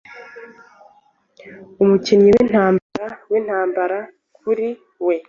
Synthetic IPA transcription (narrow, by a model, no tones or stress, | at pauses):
umucinɲiwen̥haːmbaɾawen̥haːmbaɾa | kuɾi | we̞